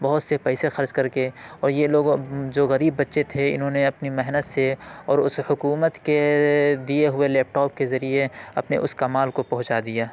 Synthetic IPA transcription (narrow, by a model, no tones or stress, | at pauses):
bɐɦʊt̪sepɛːsexɐɾd͡ʒkɐɾkeɔːɾjeloːɡd͡ʒoːɣɐɾiːbːɐt̪ːʃet̪ʰeɪ̰nɦõneɐpnimɛɦnət̪seɔːɾʊshʊkuːmət̪ked̪ieɦʊelɛːp̚ʈɔːp̚kezɐɾieɐpnḛʔʊskɐmaːlkopɐɦʊt͡ʃaːd̪ijaː